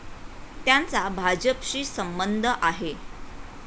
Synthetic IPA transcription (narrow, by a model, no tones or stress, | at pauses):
t̪jant͡sabʱad͡ʑəpɕiːsəmbənd̪ʱəʔaɦe